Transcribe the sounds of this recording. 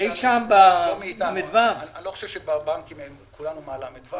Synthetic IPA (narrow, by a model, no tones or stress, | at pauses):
ejʃambamet̪mid̪vaʁanloχoʃevʃebabaŋkimemkulanumaːlaamid̪va